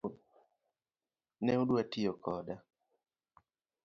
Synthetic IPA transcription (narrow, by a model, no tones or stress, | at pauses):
nɛuduatijɔkʰɔda